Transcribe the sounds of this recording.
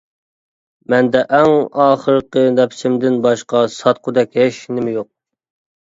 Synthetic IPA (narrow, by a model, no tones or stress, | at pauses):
mɛnd̪ɛʔæŋɑːχəɾqənɛpʰsɪmd̪ɪnbɑʃqɑsɑt̪̚qʰʊd̪ɛkʲɦɛʃnɪmɪjoq̚